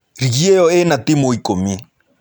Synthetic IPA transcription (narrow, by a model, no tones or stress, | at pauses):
ɾiɣiɛɔɛnat̪imoikomi